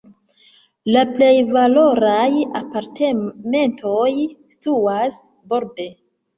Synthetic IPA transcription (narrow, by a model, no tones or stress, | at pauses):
laple̞jvalo̞ɾaja̰paɾtʰeme̞ntʰo̞jstuas | bo̞ɾde̞